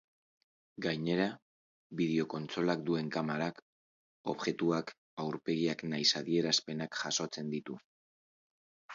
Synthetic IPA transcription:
ɡajɲe̞ɾa | βið̞eo̞ko̞nt͡so̞lak̚d̪ue̞ŋkamaɾak | o̞̰βʝe̞t̪uak | awɾpe̞ɣiaknajsaðie̞ɾaspe̞nakʝaso̞t͡se̞nd̪it̪u

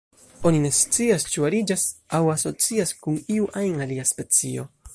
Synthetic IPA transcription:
o̞nine̞st͡siast͡ʃuaɾid͡ʒasawaso̞t͡siaskuniuʔajnaliaspe̞t͡sio̞

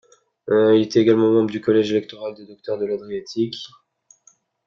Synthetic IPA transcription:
ilɛt̪ɛeɡalmɑ̃mɑ̃bʁəd̪ykɔlɛʒelɛk̚t̪ɔʁald̪ed̪ɔk̚t̪œʁd̪əlad̪ʁiat̪ʰik

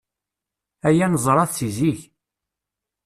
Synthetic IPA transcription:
æjænəzˤɾˤɑθt͡siziç

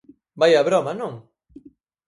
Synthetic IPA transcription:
bajaβɾɔmanõŋ

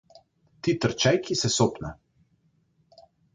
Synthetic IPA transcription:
t̪it̪əɾt͡ʃɛjkisɛsoːpna̰

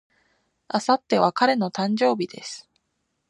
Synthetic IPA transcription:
asat̪ːe̞β̞akaɾe̞no̞t̪ãɲ̟d͡ʑo̞ːbʲid̪e̞sɨ̥

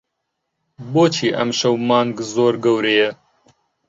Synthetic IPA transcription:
boːt͡ʃʰiːʔɐ̰mʃɐwmɑːŋɡzoːɾɡɐwɾejɛ

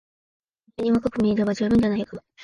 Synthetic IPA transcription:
aɲ̟ʲimakɯkɯmʲiid̪eβad͡ʑɨːbɯ̟̃ɲ̟danajoka

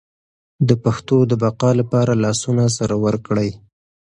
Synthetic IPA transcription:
d̪əpaxt̪od̪əbaqɑlapɑɾalɑsunas̬aɾawəɾkɽəj

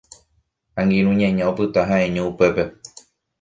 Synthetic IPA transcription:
ãŋɡĩɾũɲãɲãopɨt̪aɦãʔẽɲõupe̞pe̞

